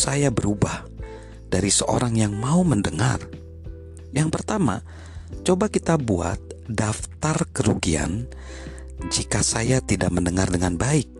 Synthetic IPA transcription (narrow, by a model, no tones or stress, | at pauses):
sajabəɾubah | daɾisəʔo̰ɾaŋjaŋmauməndəŋa̰r | jaŋpərt̪ama̰ | t͡ʃobakit̪abua̰t̪̚daft̪arkəɾuɡia̰n | d͡ʒikasajat̪idaʔməndəŋardəŋanbaɪk̚